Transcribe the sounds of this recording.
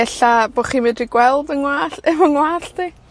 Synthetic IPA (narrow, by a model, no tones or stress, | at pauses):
ɛɬaboχiːmɛdriɡwɛlˠdəŋwaːɬɛməŋwaːɬtʰiː